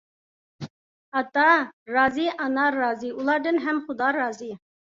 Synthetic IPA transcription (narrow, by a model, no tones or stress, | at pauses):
ɑt̪ɑɾɑziʔɑnɑɾɑːziulˠɑɾd̪ənɦæmχʊd̪ɑɾɑzi